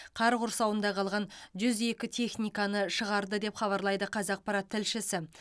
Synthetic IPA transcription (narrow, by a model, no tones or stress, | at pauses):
qʰɑɾqʊɾsɑwənd̪ɑqʰɑlˠʁɑnʒʏze̞kʲɪt̪ʰe̞χnijkɑnəʃəʁɑɾd̪əd̪e̞pχɑβɑɾlˠɑjd̪əqʰɑzɑq̚pɑɾat̪ʰːɪlʃɪsɪ